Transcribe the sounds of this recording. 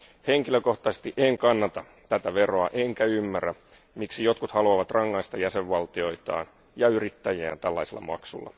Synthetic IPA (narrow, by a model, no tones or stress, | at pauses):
heŋkiløko̞ht̪ˑɑse̥st̪iʔeŋkɑnːɑt̪ɑ | t̪æt̪æʋe̞roɑʔeŋkæymːærːæ | miksijot̪kut̪hɑluɑʋɑt̪rɑŋːɑist̪ɑjæseʋʋɑlt̪io̞it̪ɑ̰ːn | jɑyrit̪ːæjæ̰ːnt̪ælːɑiselːɑ̰mɑ̰ksṵlːɑ̰